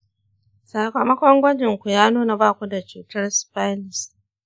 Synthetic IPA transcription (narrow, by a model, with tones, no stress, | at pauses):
sa˨kɐ˨mɐ˦kʷɔ˦ŋɡʷɐ˦d͡ʒɪ˨ŋkʷu˨jaː˦nuː˦na˨baː˦˨kʷu˦da˨t͡ʃuː˨tɐ˦rspa˦nɪ˨s